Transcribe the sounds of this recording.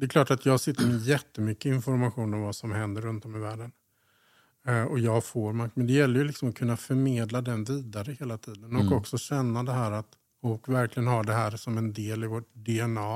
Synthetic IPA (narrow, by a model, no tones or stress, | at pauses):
d̪ɛkʰlɑːʈat̪jɑːsɪt̪ːəɾmɛjɛt̪ːəmʏkːəɪnfɔɾmaɧuːnɔmvasɔmhɛnd̪əɾːɵnt̪ɔmːɪvæːɖən | ɔjɑːɡfoːɾmakmɛnd̪ɛjɛlːəɾjɵlɪksɔmɔkʰɵnːafœɾmeːd̪lad̪ɛnviːd̪aɾəheːlat̪ʰiːd̪ənɔkɔksɔɕɛnːad̪ɛɦæːɾat̪ | ɔlkvæɾklɪɡənhaɖɛɦæːɾsɔmɛnd̪eːlɪvoːʈ̚dɛɛnɑː